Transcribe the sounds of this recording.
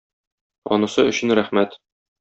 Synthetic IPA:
ɒ̰nɤ̆sɤɵ̆ɕɘ̆nɾæχmæt̪

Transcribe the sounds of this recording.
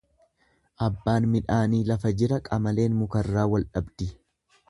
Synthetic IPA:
ʔɐbːaːnmɪᶑaːniːlɐfɐd͡ʒɪɾɐkʼɐmɐle̞ːnmʊkɐrːaːwɐlᶑɐbd̪̥ɪ

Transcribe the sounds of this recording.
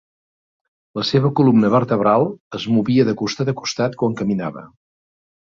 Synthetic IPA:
ləseβəkulumnəβərt̪əβɾalˠəzmuβiəðəkust̪at̪əku̥st̪at̪kwaŋkəminaβə̰

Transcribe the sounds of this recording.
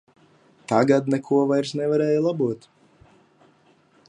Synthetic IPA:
t̪aɡad̪nɛkʰuɔvajɾsnɛvaɾɛːjlˠabuɔt̪

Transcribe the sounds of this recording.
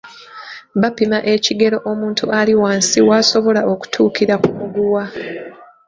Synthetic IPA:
βapimaʔe̞ciɡe̞ɾo̞ʔomuːntʰuʔaliwaːnsiwaːso̞βo̞laʔo̞ku̥tʰuːkiɾakumuɡuwa

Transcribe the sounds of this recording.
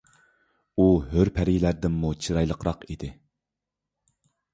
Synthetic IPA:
uɦøɾpʰɛɾilæɾd̪ɪnːut͡ʃʰiɾɑjlˠəqɾɑqid̪ɪ

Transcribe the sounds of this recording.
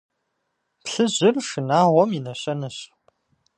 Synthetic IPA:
pɬɨʑɪrʂɨnaːʁʷɔminɐɕʼɐnɨɕ

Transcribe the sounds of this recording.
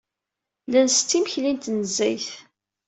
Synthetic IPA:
lænst̪ːiməçlint̪nəzːæjθ

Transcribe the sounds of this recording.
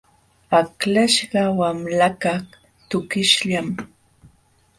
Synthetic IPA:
aklaʃɢɑwamlakɑχ | t̪ʊkɪʃʎam

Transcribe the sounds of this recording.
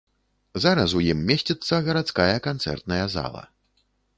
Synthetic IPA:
zaɾɐsujimːʲesʲt͡sʲɛt̪sːɐɣɐɾat̪skajɐkant̪sɛ̰rt̪̚nɐjɐza̰lˠɐ̰

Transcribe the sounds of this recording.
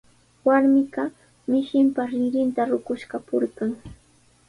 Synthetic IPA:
waɾmɪɢɑ | mɪʃɪmpaɾɪɾɪnt̪aɾʊkʊʃkapʊɾɢɑŋ

